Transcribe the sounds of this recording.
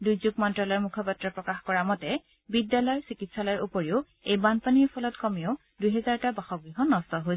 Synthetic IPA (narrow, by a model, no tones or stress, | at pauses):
dujzuɡ̚mɔntɹalɔjɔmukʰɔpatɹɔpɹɔkaxkɔɹamɔtɛ | bidːalɔjsikitsalɔjɔɹupɔɹiʊ | ejbanpaniɛpʰɔlɔtkɔmioʊ | dujɦɛzaɹtabaxɔɡɹiɦɔnɔstɔɦoj